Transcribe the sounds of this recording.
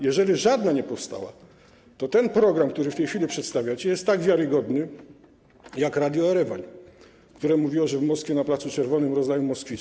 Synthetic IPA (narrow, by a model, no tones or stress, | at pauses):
jɛʐɛlʲiʐad̪naɲɛpɔfst̪a̰wa̰ | t̪ɔt̪ɛnpɾɔɡɾamkt̪uɾɘft̪ɛjxfʲilʲipʂɛt̪st̪avʲjat͡ɕɛjɛst̪ːaɡvʲjaɾɘɡɔd̪nɘ | jakɾad̪jɔɛɾɛvaɲ | kt̪uɾɛmuvʲiwɔʐɛvmɔskfʲɛnaplat̪sut͡ʂɛɾvɔnɘmɾɔzajumɔskfʲi